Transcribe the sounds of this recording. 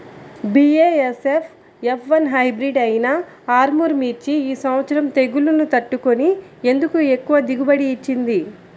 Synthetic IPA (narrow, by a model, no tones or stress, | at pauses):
bieːesefʰ | epʰʋɐnɦɐjbɾiɖɐjinɐ | aːɾmuɾmiːɾt͡ʃiiːsɐmʋɐt̪sɐɾɐmt̪e̞ɡulunut̪ɐʈːukonie̞nd̪ukue̞kːuʋɐd̪iɡubɐɽiːt͡ʃːind̪i